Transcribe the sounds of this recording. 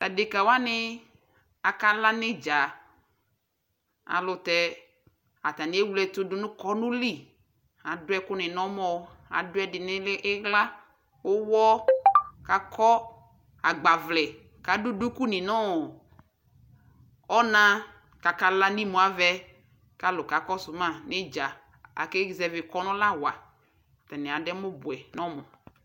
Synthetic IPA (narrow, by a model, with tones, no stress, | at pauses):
ta˨dɪ˨ka˨wa˦nɪ˦ | a˨ka˨la˦nɪ˦d͡ʒa˨ | a̰˨lʊ˨tɛ˦ | a˨t̪a˨nɪ˨˦e˦wu˦lɛ˨tʊ˦dʊ˨nʊ̃˦kɔ˨˦nʊ̃˦li˦˨ | a˨dʊ˦ɛ˦kʊ˦nɪ̃˨nɔ̃˦mɔ˨a̰˨dʊ˦ɛ˨˦dɪ˨nɪ˦lɪ˦ʔɪ˦ɣla˦ | ʊ˦wɔ˦ka˨kʰɔ˦ | a˨ɡ͡ba˨vlɛ˨ | ka˨dʊ˦dʊ˦ku˦nɪ̃˨nɔ˦˨ | ɔ˦nã˦ | ka˨ka˨la˦nĩ˦mʊ̃˨a˨vɛ˦ | ka˨lʊ˨ka˨kɔ˦sʊ˨mã˦˨nɪ˦d͡ʒa˨ | a̰˨kɛ˦˨zɛ˨vɪ˨kɔ˨˦nʊ̃˦la˦wa˨ | tɛ˨nɪ˨a˨dɛ˦mʊ˦bʊ˨ɛ˨nɔ̃˦mɔ˨